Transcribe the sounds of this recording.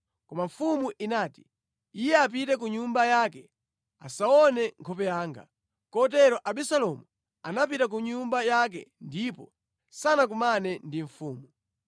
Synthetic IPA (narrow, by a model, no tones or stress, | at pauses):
kɔmaɱ̩fumuʔinaːti̥ | ijɛap̬itɛk̬uɲumbajakɛ | a̰saɔnɛŋkʰɔpɛjaːŋɡa̰ | kɔtɛɾɔʔaɓisalɔmu | anapitak̬uɲumbajak̬ɛ̰ndipɔ | sanak̬umanɛndiɱ̩fuːmu